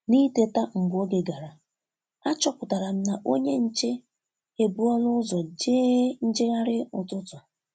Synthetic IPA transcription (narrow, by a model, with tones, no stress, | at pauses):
ni˦te˨ta˦ŋ̩˨ɡo˦ɡe˨ɡa˨ɾa˨ | a˦t͡ʃɔ˦kʊ˨ta˨ɾa˨m̩˦na˨ʔo˦ɲe˦n̩˦t͡ʃe˦ | e˨bu˦ɔ˦lʊ˦ʊ˦zɔ˨d͡ʒeː˦n̩˦d͡ʒɪ˦ɣa˦ɾɪ˦ʊ˨tʊ˦tʊ˨